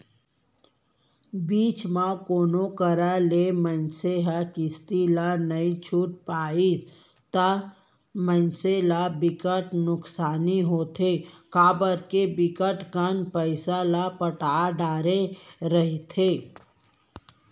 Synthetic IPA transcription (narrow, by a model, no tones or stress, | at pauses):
biːt͡ʃmãkoːnokəɾalemənseɦakɪst̪ilanəĩt͡ʃʰuːʈ̚paːi | t̪a | mə̃nselabɪkəʈnʊksaːniɦoːt̪ʰekaːbəɾkebɪkəʈkənpəɪsalapəʈaːɖaːɾeɾəɦit̪ʰeː